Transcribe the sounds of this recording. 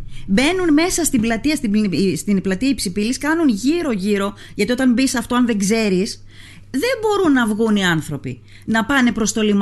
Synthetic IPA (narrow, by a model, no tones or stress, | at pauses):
be̞nunme̞sɐst̪iblɐt̪iɐst̪ist̪inplɐt̪iɐipsipiliskɐnunʝiɾo̞ʝiɾo̞ | ʝɐt̪io̞t̪ɐnbisɐft̪o̞ɐnðe̞ŋɡze̞ɾis | ðe̞mbo̞ɾunːɐvɣuniɐnθɾo̞pḭ | nɐpɐne̞pɾo̞st̪o̞lim